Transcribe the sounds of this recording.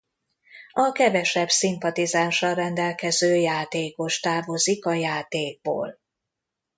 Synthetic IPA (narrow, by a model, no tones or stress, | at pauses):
ɒkɛvɛʃɛbsimpɒt̪izaːnʃɒrɛnd̪ɛlkɛzøːjaːt̪eːko̞ʃt̪aːvo̞zikɒjaːt̪eːɡ̚bo̰ːl